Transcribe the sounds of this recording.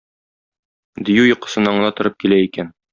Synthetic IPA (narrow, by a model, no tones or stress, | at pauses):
d̪ijʉjŏqɤ̥̆sɤ̆nɑɴɤ̆nɑt̪ŏɾɤp̚kilæikæn